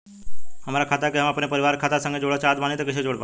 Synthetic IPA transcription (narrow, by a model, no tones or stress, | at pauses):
ɦəmaɾakʰat̪akeɦəmapɳ̃epəɾiʋaɾkʰat̪asə̃ŋɡed͡ʑoɽət͡ʃad̪ʋanet̪əkiʃed͡ʒoɽpa